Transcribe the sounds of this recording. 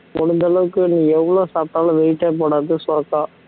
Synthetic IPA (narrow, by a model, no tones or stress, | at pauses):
mɔɽʊnd̪ɐɭɐʋɯkːɯnĩːɛʋːɐɭoːsaːp̚t̪aːlɐ̃ʋɛjɪʈːɐːp̬oːɽaːðɯsɔɾɐkːãː